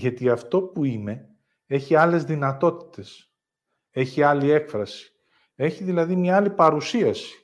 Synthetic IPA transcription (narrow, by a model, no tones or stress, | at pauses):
ʝɐt̪iɐft̪o̞puine̞ | e̞çiɐle̞zðinɐt̪o̞t̪i̥t̪e̞s | e̞çiɐlie̞kfɾɐsi̥ | e̞çiðilɐðimɲɐɐlipɐɾusiɐsi̥